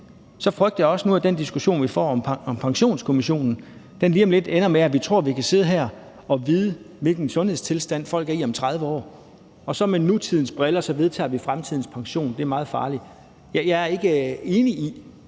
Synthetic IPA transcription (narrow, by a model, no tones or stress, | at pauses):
sɒ̽fʁœɡ̥d̥əjɑɒ̽sənuæd̥end̥isɡ̥uɕo̝̰ːnʋifɒ̰ːɒ̽mɒmpʰɑ̈ŋɕo̝̰ːnskʰo̝miɕo̝̰ːnn̩ | d̥enliːɒ̽mle̝d̥enɐmeæʋit͡sʰʁo̝ɐ̰ʋikʰæse̝ð̞̩̰ˠɦæɐ̰ | ɒ̽ʋiːð̞ˠə | ʋe̝lɡ̥n̩sɔ̽nhe̝ð̰ˠst͡sʰe̝lsd̥æn̰fɒ̽l̰ɡ̥æɐiɒ̽mt͡sʰʁaðˠʋəɒ̰ː | ɒ̽sɒ̽menːut͡sʰið̞̰ˠn̩sb̥ʁelɐsɒ̽ʋe̝ð̞ˠt͡sʰɛ̰ːʋifʁamt͡sʰiðˠn̩spʰɑ̈ŋɕo̝̰ːnd̥e̝æɐmɑ̈ːð̩ˠfɑ̈ːli̥ | jæjɑ̈ɪæɐe̝ɡ̥əe̝ːnii